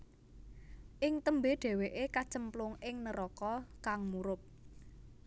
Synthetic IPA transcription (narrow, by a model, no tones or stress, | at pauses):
ʔɪŋt̪əmbeɖ̥ɛ̤weʔekat͡ʃəmplʊŋʔɪŋnəɾɔkɔkaŋmuɾʊp̚